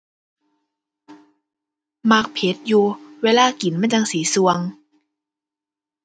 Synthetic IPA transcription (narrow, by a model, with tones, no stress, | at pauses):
ma˧˩k̚pʰe˨˦t̪̚juː˧weː˧laː˥˩˨ki˨˩˦nmaː˧˥˨t͡ɕa˧ŋsiː˨˩˦su˧əŋ